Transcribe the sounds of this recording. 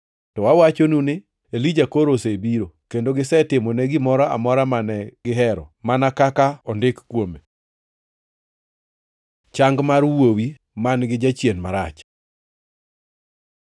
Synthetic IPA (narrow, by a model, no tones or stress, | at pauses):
tɔwawat͡ʃonunɪ | elid͡ʒakoɾosebiɾokendoɡɪsɛtɪmɔnɛɡɪmɔɾɔa̰mɔɾamanɛɡ̥ɪɦɛɾɔmanakakaɔndɪkkwome | t͡ʃaŋɡmaɾwowi | manɡɪd͡ʒat͡ʃjenmaɾat͡ʃ